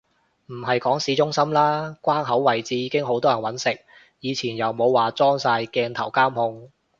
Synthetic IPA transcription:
m̩˨˩ɦɐ˨jkɔː˨˥ŋsiː˨˥t͡ʃʊ˥ŋsɐ˥mlaː˥kʷwaː˥nɦɐ˨˥wwɐ˨˩jt͡siː˨˧jiː˨˧kɪ˥ŋɦo˨˥wt̪ɔː˥jɐ˨˩nwɐ˨˥nsɪ˨k̚ | jiː˨˧t͡sʰiː˨˩njɐ˨wmo˨˧wːaː˨t͡sɔː˥ŋsaː˧jkɛː˧nt̪ʰɐ˨˩wkaː˥mhʊ˧ŋ

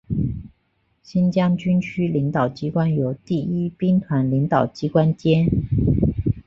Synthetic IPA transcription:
ɕi˥nt͡ɕjɑ˥ŋt͡ɕy˥nt͡ɕʰy˥li˧˥ŋt̪ɑ˨˩ʊt͡ɕi˥kwa˥njo˧˥ʊt̪i˥˩i˥pi˥ŋt̪ʰwa˧˥nli˧˥ŋt̪ɑ˨˩ʊt͡ɕi˥kwa˥nt͡ɕjɛ˥n

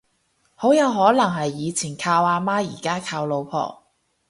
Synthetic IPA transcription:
ho˨˥wjɐ˨˧wɦɔː˨˥lɐ˨˩ŋɦɐ˨jːiː˨˧t͡sʰiː˨˩nkʰaː˧waː˧maː˥jiː˨˩kaː˥kʰaː˧wlo˨˧wpʰɔ̰ː˨˩

